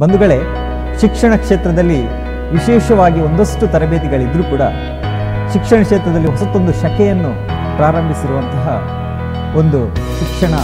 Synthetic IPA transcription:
bɐnd̪uɡɐɭe̞ | ʃikʂɐɳɐkʂeːt̪ɾɐd̪ɐlːi | ʋiʃɛːʃɐʋaːɡio̞nd̪osʈut̪ɐɾɐbeːt̪iɡɐɭid̪ɾuːkuːɽɐ̰ | ʃikʂɐɳɐkʂeːt̪ɾɐd̪ɐlːiɦɔsɐt̪ːo̞nd̪uʃɐkɛjɐnːu | pɾaːɾɐmbʱisiɾuʋɐnt̪ɐɦɐ̰ | o̞nd̪uʃikʂɐɳɐ

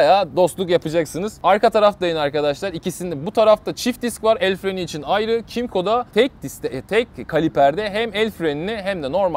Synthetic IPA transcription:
ajaːd̪o̞st̪lˠukjapɯd͡ʒaksɯnɯzaɾkʰat̪ʰaɾafd̪ajɯnɯaɾkad̪aʃlˠaɾicisind̪ɛbut̪ʰaɾaft̪ʰat͡ʃʰifd̪iskvaɾɛlʲfɾe̞niːt͡ʃʰinajɾɯcʰimkʰo̞d̪at̪ʰɛc̚d̪ist̪ɛt̪ʰɛc̚kʰːalʲipæɾd̪ɛɦæmɛlʲfɾeniniɦæmd̪ɛno̞ɾma

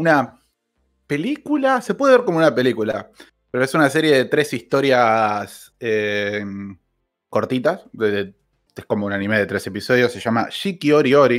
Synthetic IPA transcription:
una | pe̞likulase̞pweðeeɾko̞mounape̞likula̰ | peɾoesunas̬e̞ɾje̞ðe̞t̪ɾe̞sist̪o̞ɾjas | em | ko̞ɾt̪it̪asee | esko̞mo̞unanĩmeðe̞t̪ɾe̞se̞piso̞ðjo̞sːe̞ʃama̰ʃikioɾio̞ɾi

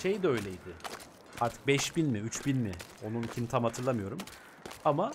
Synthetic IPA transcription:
ʃe̞jd̪ɛø̞jlʲejd̪ɪ | haɾt̪ʰɯ̥k̚bɛʃbinmiyt͡ʃbinmɪo̞nunicʰint̪ʰamat̪ʰɯɾlˠamɯjo̞ɾum | ama

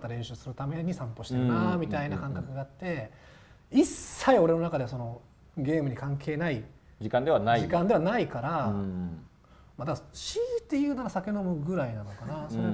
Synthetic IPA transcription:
t̪ːaɾẽ̞ɰ̃ɕɨːsɨɾɯ̟t̪ame̞ɲ̟isãmpo̞ɕi̥t̪eɾɯnamʲit̪ainakãŋkakɯɡaːt̪ːe̞ | isːaio̞ɾe̞no̞nakad̪e̞so̞no̞ | ɡʲe̞ːmɯ̟ɲ̟ikãŋkʰe̞ːnai | d͡ʑikãnd̪e̞βanaiikãnd̪e̞βanaikaɾa | mad̪akɕit̪ːe̞jɯ̟ːnaɾasakʲe̞no̞mɯ̟ɡɯ̟ɾainano̞kanasoo

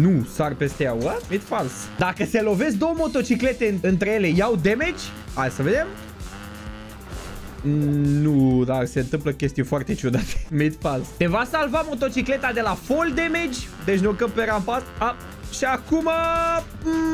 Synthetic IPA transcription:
nusarpest̪eawəmit̪fals | d̪akəse̞lo̞ve̞s̬̚d̪o̞wəmo̞t̪o̞t͡ʃikle̞t̪e̞ɨnt̪ɾeje̞le̞jawd̪e̞med͡ʒʲ | ajasəve̞d̪e̞m | nud̪ase̞ɨnt̪ɨmpləkʲe̞st̪iufoart̪e̞t͡ʃud̪at̪e̥mit̪falst̪e̞vasalvamo̞t̪o̞t͡ʃikle̞t̪ad̪e̞lafo̞ld̪e̞me̞d͡ʒʲ | d̪e̞ʃnokəmpe̞ɾampasa | ʃiakuma

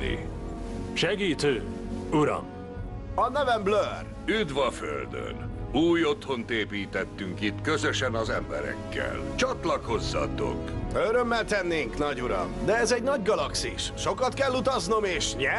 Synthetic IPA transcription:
ḭ | ʃɛɡiːt̪øː | uɾɒ̰m | ɒnɛvɛmblør | yd̪ʋɒfø̰ld̪ø̰nuːjo̞t̪ho̞nt̪eːpiːt̪ɛt̪ːyŋkit̪kø̞zøʃɛnɒzɛ̰mbɛɾɛ̰kːɛ̰lt͡ʃɒt̪lɒko̞zːɒ̰t̪o̞̰køɾømːɛlt̪ɛnːeːŋknɒɟuɾɒ̰md̪ɛɛzɛɟnɒɟɡɒlɒksiʃ | ʃo̞kɒt̪kɛlːut̪ɒzno̞meːʃɲɛ

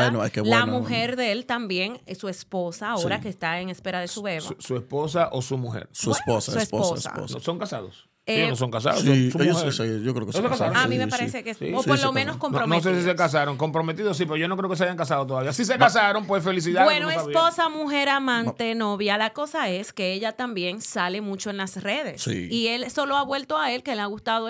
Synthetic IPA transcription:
enoekeβlwanmuheɾðelt̪ambje̞ŋsue̞spo̞saːoɾakeːst̪aeŋespeɾaðesuβeβasuespo̞s̬aʔosumuhḛɾsuesposauesopo̰a̰po̰snoso̞ŋkasa̰ðos | eonos̬oŋkas̬a̰ðo̰soseoesjokɾeoeosokasaɾoamimepaɾesekeḭooɾlomenoskompnoɾomnos̬esisekas̬aɾoŋko̞mpɾomet̪̬iðos̬ipeoʝo̞no̞k̬ɾeokes̬eajaŋkas̬aðot̪oðaβiasis̬ekas̬aɾompwefelis̬iðawenooessβiposamuxe̞ɾamãnt̪e̞no̞βjalako̞saeske̞eʝat̪ambje̞nsale̞mut͡ʃoenlasre̞ðe̞ssḭielso̞loaβwe̞lt̪oae̞lke̞leaɣust̪aðo

